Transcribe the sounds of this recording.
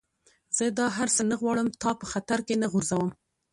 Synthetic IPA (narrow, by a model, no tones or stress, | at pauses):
z̥əd̪ɑɦaɾsənaɣwɑɽəmt̪ɑpəxat̪aɾkenaɣʊɾzawəm